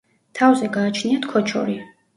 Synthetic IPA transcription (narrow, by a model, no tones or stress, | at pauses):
t̪ʰavzɛɡaːt͡ʃʰniat̪ʰkʰɔt͡ʃʰɔ̰ɾi